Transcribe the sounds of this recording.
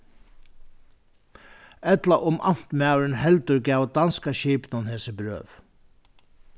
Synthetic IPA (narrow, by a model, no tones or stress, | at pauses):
ɛt̪laʔʊmʔa̰m̥t̪mawɾɪnɦɛlt̪ʏɾcaːwd̪anskaɕiːpnʊnhɛːsɪbɾø̰ːv